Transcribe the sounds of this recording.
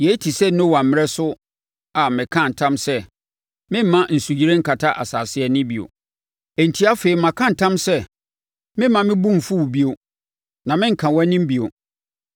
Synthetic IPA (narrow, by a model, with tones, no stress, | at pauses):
jɛ˨˦tʰi˨sɛ˦nʊ̃˦wa˨m̩˦mɪ̃˦ɛ˦sʊ˦ | a˨mɪ̃˨kʰã˦n̩˨tʰã˦msɛ˦ | mɪ̃˦m̩˦mã˦n̩˨su˨d͡ʑi˦ɾẽ˦ŋ̩˦kʰa˨tʰa˦ʔa̰˨saː˨sɪ˨ɛ˨nɪ̃˦bi˨o̰˨ | e˨n̩˨tʰi˦a˦fe˨i˨mã˨kʰã˦n̩˨tʰã˦msɛ˦ | mɪ̃˦mmã˨mɪ̃˦bũ˦m̩˨fu˦wbi˦o˨ | nã˨mɪ̃˦ŋ̩˨kʰã˨wɔ˦nɪ̃˦m˦bi˨o˨